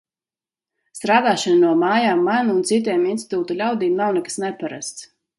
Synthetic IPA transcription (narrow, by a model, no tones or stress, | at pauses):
st̪ɾaːd̪aːʃananuɔmaːjaːmːanːnt̪sit̪̬ʲɛːminsi̥t̪uːt̪ulʲawd̪iːmnawnɛkḁsnɛpaɾa̰st̪s